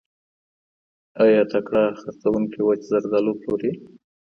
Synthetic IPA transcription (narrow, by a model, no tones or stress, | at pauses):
ɑjɑt̪akɽɑxaɾt͡sawuŋkiwat͡ʃzaɾd̪aloploɾi